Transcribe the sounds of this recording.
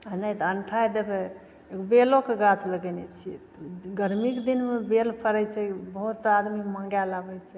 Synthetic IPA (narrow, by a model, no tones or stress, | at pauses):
najt̪əɳʈʰajd̪ebe | ekbelokeɡat͡ʃʰləɡɛnɛt͡ʃʰiɛt̪ɡəɾmikd̪inmebelpʰəɾɛt͡ʃʰɛbəɦut̪sad̪miməŋɡjalabɛt͡ʃʰɛ